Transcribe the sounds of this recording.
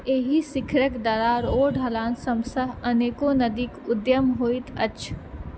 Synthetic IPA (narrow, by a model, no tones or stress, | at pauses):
eːɦisɪkʰɾəkd̪ɐɾaɾoːɖʱɦɐlaːnsɐ̃msəɦɐneːkonɐd̪iːkʊd̪jəmɦoːit̪ɐt͡ʃʰ